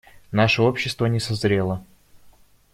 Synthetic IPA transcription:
naʂəopɕːɪst̪vənʲɪsɐzɾʲelˠə

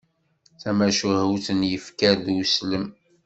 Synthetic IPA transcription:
θæmæʃuhəwθənjəfkæðsləm

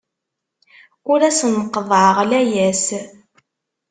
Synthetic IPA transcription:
ʊɾæsənəqːəðˤʕəʁlæjæs

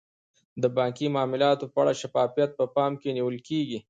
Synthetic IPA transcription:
d̪əbɑːŋkimɑːmɪlɑt̪opəaɽaʃafɑːfijat̪̚pəpɑmkeniwəlkeɡi

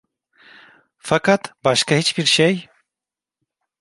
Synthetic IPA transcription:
fakʰat̪bɑʃkahit͡ʃbiɾʃej

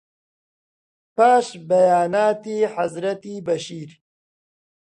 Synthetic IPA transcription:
paːʃbɐjaːnaːt̪iːħɐzɾɐt̪iːbɐʃiːɾ

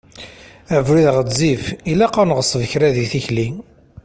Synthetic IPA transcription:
ævɾiðʁəd͡zːifilæqanəʁəsˤvəçɾæðiθiçli

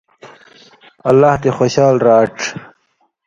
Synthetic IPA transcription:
alːɑːht̪exoɕɑːlɾɑːʈ͡ʂ

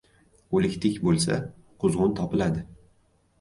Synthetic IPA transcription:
olɪkʲt̪ʰɪkʲbolˠsa̰ | qʰʊzʁʊnt̪ʰɒpɪlad̪ɪ

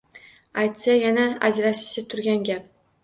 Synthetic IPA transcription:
ajt̪sajanaad͡ʒɾaʃɪ̥ʃɪt̪ʰʊɾɡʲanɡʲap̚

